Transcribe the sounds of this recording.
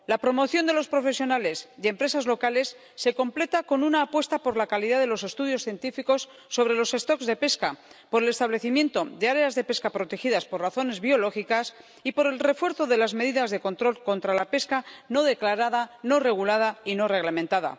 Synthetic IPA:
lapɾo̞mo̞θjo̞nd̪elo̞spɾo̞fe̞sjo̞nale̞sje̞mpɾe̞sazlo̞kale̞sː | e̞ko̞mple̞t̪ako̞nunaːpwe̞st̪apo̞ɾlakaliðaðe̞lo̞se̞st̪uðjo̞sθje̞nt̪ifiko̞sː | o̞βɾe̞lo̞se̞st̪o̞kzðe̞pe̞skapo̞ɾele̞st̪aβle̞θimje̞nt̪o̞ðe̞aɾe̞azðe̞pe̞skapɾo̞t̪e̞xiðaspo̞raθo̞ne̞zβio̞lo̞xikas | ipo̞ɾe̞lre̞fwe̞ɾθo̞ðe̞lazme̞ðiðazðe̞ko̞nt̪ɾo̞lko̞nt̪ɾalape̞skano̞ð̞e̞klaɾaðano̞re̞ɣ̞ulað̞aino̞re̞ɣlamẽnt̪aða̰

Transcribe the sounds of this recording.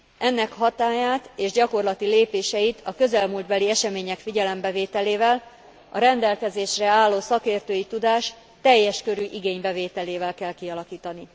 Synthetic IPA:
ʔɛnːɛkɦɒt̪aːjaːt̪eːʒɟɒko̞rlɒt̪ileːpeːʃɛjit̪ʰɒkø̞zɛlmuld̪bɛliɛʃɛmeːɲɛkfiɟɛlɛmbɛveːt̪ɛleːvɛl | ɒɾɛnd̪ɛlkɛzeːʃrɛaːlːoːsɒkeːrt̪øːjit̪ud̪aːʃ | t̪ɛjːɛʃkø̞ɾyʔiɡeːɲbɛveːt̪ɛleːvɛlkɛlkiɒlɒkiːt̪ɒni

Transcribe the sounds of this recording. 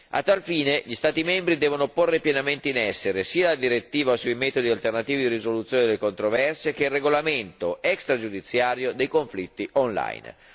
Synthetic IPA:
a̰t̪ːalfiːneʎist̪aːt̪imɛmbɾid̪ɛːvonoporːepjenament̪einɛsːeɾesiːalad̪iɾet̪ːiːvaosuimɛːt̪od̪ialt̪ernat̪iːvid̪iɾizolut̪sjoned̪elːekont̪ɾovɛrsek̟eilːeɡolament̪oɛkst̪ɾad͡ʒud̪it̪sːjaːɾjod̪ejkoɱflit̪ːiʔonla̰jn

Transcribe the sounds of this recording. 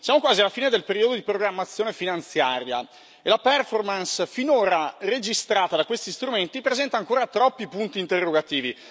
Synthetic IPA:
sjaːmokwaːzialːafiːned̪elpeɾiod̪od̪ipɾoɡɾamːat̪sːjoːnefinant̪sjaːɾja̰ | elapɛrformansfinoːɾared͡ʒist̪ɾaːt̪ad̪akwest̪ist̪ɾument̪ipɾezɛnt̪aːŋkoːɾat̪ɾɔpːipunt̪iːnt̪erːoɡat̪iːvi

